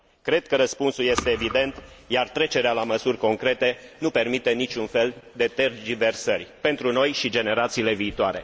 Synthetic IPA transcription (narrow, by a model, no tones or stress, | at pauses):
kɾe̞d̪̚kəɾəspunsulje̞st̪e̞ːvid̪e̞nt̪ | jart̪ɾe̞t͡ʃe̞ɾealaməsurʲko̞ŋkɾe̞t̪e̞nupe̞rmit̪e̞nit͡ʃunfe̞ld̪e̞t̪erd͡ʒive̞rsərʲpe̞nt̪ɾuno̞jʃid͡ʒe̞ne̞ɾat̪siːle̞viːt̪oaɾe̞̰